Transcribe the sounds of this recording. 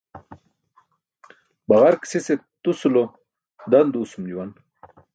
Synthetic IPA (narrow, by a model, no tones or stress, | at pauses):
baʁaɾksiset̪usulo | d̪and̪uːsumd͡ʑuwan